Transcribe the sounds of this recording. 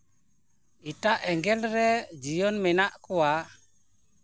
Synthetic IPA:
itaʔɛŋɡɛlɾɛd͡ʒijɔnmɛnaʔkuwa

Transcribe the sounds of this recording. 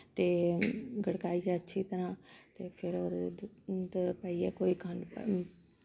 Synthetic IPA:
t̪eːɡəɽkaːiːd͡ʒɛːətːʃʰiːt̪əɾãːt̪eːpʰɪɾoːɾ | t̪pəiːɛːkoːiːkʰənp

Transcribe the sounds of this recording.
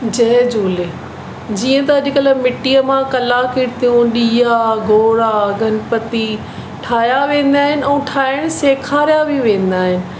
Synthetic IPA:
d͡ʑɐːd͡ʑoːle | d͡ʑiːə̃t̪ɐɐʄɪkələmɪʈiːəmãkɐlakiɽt̪ʰijũɗiːjaɡʱoːɾaɡʱɐnpɐt̪i | ʈʰaːjaʋẽːn̆d̪aːɦɪnɪ̆ɛ̃ːʈʰaːɪɽ̃seːkʰaːɾijabʱiʋẽːn̆d̪aːɦɪnɪ̆

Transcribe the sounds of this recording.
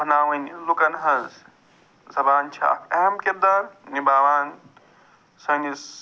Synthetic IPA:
bʱɐnaːwɐnilukɐnɦɐz | zʱɐbaːnt͡ʃʰa̰ːkeɦɐmked̪ɐɾnibaːʋaːn | sɐŋis

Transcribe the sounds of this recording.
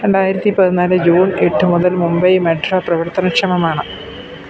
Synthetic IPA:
ɾe̞ɳɖaːjiɾɐt̪ːipɐðunːaːlɨd͡ʑuːneʈːɨmuðɐlmumbɐjmeʈroːprɐʋɐrt̪ɐnɐkʂɐmɐmaːɳɨ

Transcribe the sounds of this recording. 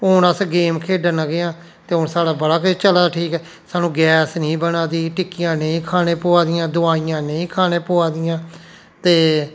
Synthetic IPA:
ʊnəsɡeːmkʰeːɖənəɡeːãː | t̪eːɦʊnsaːɽaːbəɽaːkt͡ʃəlaːʈʰiːkɛː | saːnũːɡɛːsnĩːbənaːd̪iːʈɪkːɪjãːnəĩːkʰaːnẽːpʊːaːd̪ɪjãːd̪ʊaːiːjãːnəĩːkʰaːnẽːpoːaːd̪ɪjãː | t̪eː

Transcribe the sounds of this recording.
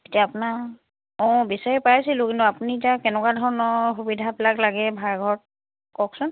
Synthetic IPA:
etijaːpuna | ɔ̃bisaɹɛpajsilʊ̃kintuapunitakɛnɛkwadʱɔɹɔnɔɹxubidʱapɛlaklaɡɛbʱaɹɡʱɔɹ̚ | kɔksʊn

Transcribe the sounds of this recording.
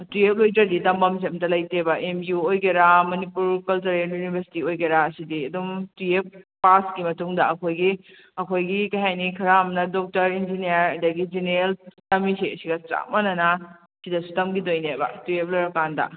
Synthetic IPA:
tiep̚lojdɾɐditɐmbɐmsemtɐlɐjtebɐʔemiuojɡeɾamɐnipuɾkɐlt͡ʃɐɾeljunibʱɐɾsi̥tiojɡeɾaːsidiɐdumtiep̚paskimɐtuŋdɐɐkʰojɡi | ɐkʰojɡikɐjɦajnikʰɐɾamnɐdok̚tɐɾind͡ʒinijɐɾɐdɐɡid͡ʒineɾeltɐmisiɐsiɡɐt͡ʃa̰mɐnɐna | sidɐsu̥tɐmɡidojnebɐ̰tiep̚loɾɐkandɐ̰

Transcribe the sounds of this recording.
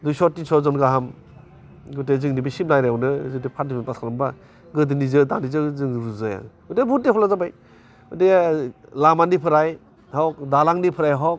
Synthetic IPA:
dujsɔtːisɔzɔnɡaɦam | ɡɯtezɯŋnibisimlajɾaawnɯzɯdepʰadimanpasʰalamba | ɡɯdinizɯdanizɯzɯŋɾuzɯja̰ | ɔdebut̚depɔlazabaj | ɯdelamanipʰɯɾaj | hawk̚dalaŋnipʰɯɾajɦɔwk

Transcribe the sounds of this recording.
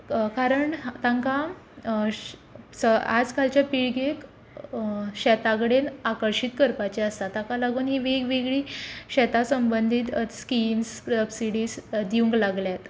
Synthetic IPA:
kaɾəɳt̪ãŋka | səa̰d͡zkalt͡ɕjapiɭɡek | ɕɛt̪aɡɽenakəɾɕiːt̪kəɾpat͡ɕeəst̪at̪ãkalaɡuːnɦiːʋeɡʋeɡɭiːɕɛt̪asəmbənd̪ʱiːt̪skimsəbsiɽiːsd̪iũŋklaɡljat̪

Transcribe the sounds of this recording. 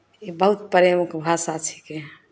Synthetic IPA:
ibəɦut̪̚pəɾemukbʱasat͡ʃʰi̥ke

